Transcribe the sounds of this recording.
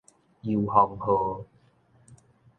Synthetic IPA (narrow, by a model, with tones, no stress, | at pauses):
ji˧whɔ˨˩ŋhoː˨˧